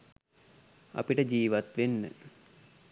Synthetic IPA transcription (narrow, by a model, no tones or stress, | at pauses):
a̰piʈəd͡ʒiːʋat̪ʋenːə̰